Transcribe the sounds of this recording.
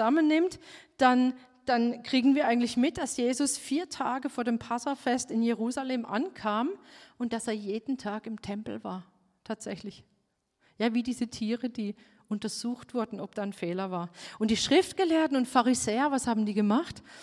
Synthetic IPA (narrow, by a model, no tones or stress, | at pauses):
zamənːɪmtd̥an | d̥ankʁ̥iːɡŋ̩viːɐʔaɪɡŋ̩tlɪçmɪt̚d̥alsjeːzʊsfiːɐtʰaːɡəfoːɐɾeːmpʰasafɛstɪnjeʁ̞uːzaleːmʔa̰nkʰaːmʔʊntd̥aseːɐjeːdn̩tʰaːkɪmtʰɛmpl̩va̰ːɐ | tʰaːtz̥ɛçlɪç | jaːviːdiːzətʰiːʁədiː | ʔʊntɐzuːxtv̥ʊɐdn̩ɔp̚d̥aːnfɛːlɐvaːɐʔʊnt̚d̥iːʃʁ̥ɪftɡ̥əleːɐtn̩ʊntfaʁizɛːɐvashaːbm̩diːɡəmaχt